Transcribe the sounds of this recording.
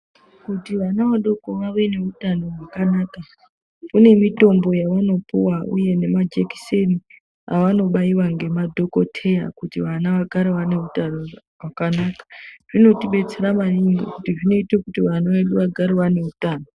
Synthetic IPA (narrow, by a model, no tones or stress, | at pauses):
kutiʋanaʋaɗo̞ko̞ʋaʋe̞ne̞utano̞rwakanaːka | kune̞mito̞mbo̞jaʋano̞puwaʔṵje̞ne̞mad͡ʒeki̥se̞ni | a̰ʋano̞ɓaiwaŋɡe̞madʱo̞ko̞tʰe̞ja̰kutiʋanaʋaɡʱaɾeʋane̞utano | rwakanaːkḁʐ̥ino̞tiɓe̞t͡se̞ɾamaniŋɡḭkutiʐino̞itekutiʋanaeɗuʋaɡʱaɾiwane̞utaːno